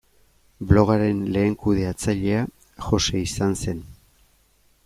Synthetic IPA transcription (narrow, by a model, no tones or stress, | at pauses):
blo̞ɣ̞aɾe̞nle̞ːŋkuðe̞at͡saʎe̞a | ʝo̞se̞isanse̞n